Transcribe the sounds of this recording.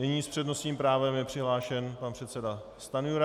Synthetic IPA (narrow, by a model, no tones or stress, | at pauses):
nɛɲiːspr̥ɛdno̞sɲiːmpɾaːvɛmjɛpr̥ɪɦlaːʃɛnpanpr̥ɛt̪sɛda | st̪anujuɾa